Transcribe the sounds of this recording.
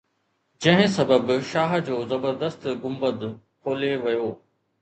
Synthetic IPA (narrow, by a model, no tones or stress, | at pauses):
d͡ʑɐ̃ɦɪ̃sɐbəbʃaːɦd͡ʑoːzɐbəɾd̪əst̪ɡʊmbəd̪ | kʰoːleʋɐjoː